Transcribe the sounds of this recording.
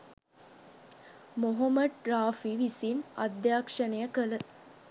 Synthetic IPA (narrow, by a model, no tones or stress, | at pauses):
moɦɐmɐɖ̚ɾaːfiʋisinɐd̪jaːkʂɐnejəkələ